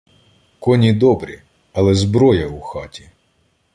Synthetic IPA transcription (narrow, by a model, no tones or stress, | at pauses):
kɔnʲid̪ɔbɾʲi | ɐlˠɛzbɾɔjɐuxɑtʲi̥